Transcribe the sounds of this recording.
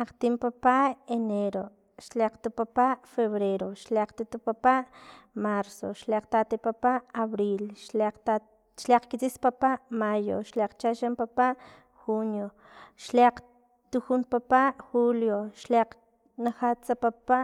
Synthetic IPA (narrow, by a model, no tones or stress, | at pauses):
aqt̪impapaʔeneɾo | ʃleq͡χt̪upapaʔfeβɾeɾoʃleqt̪ut̪upapaʔmaɾso̰ʃleq͡χt̪at̪ipapaʔaβɾilʃa | ʃleq͡χkit͡sispapaʔmajo̰ʃleqt͡ʃaʃempapaʔ | xunjo | ʃleq͡χ | t̪uxunpapaʔxuljoʃleq͡χ | naχat͡sapapaʔ